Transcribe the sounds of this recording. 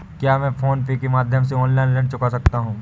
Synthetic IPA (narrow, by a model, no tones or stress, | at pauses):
kjaːmɛ̃ːfʰoːnpekemaːd̪ʱjəmseɔ̃ːnlaɪnlɛ̃ɖt͡ʃʊkasɐk̚t̪aɦũː